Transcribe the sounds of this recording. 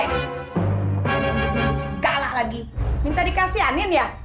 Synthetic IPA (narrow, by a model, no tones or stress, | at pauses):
səɡalalaɡimint̪adikasianinja